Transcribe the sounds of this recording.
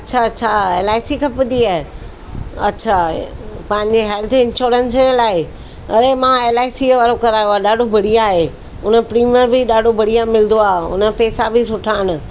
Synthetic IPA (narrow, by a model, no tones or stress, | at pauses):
ɐtːɕʰaɐtːɕʰaeːlaːɪsikʰɐpəd̪iaːɦ | ɐ̰tːɕʰapɐ̃ɦɪ̃ɲd͡ʑeɦɛːlt̪ʰɪ̃nʃoːɾənselaːɪ | ɐ̰ɾemãeːlaːɪsiʋaːɾokɐɾaːjoaɗaːɖʱobʱɐɽ̤ijaːɦe | ʊnəpɾiːməɾbʱɪɗaːɖʱobʱɐɽ̤ijamɪlɪ̃d̪oaːɦʊ̰nəpɛːsabɪsʊʈʰaːɪñʊ̆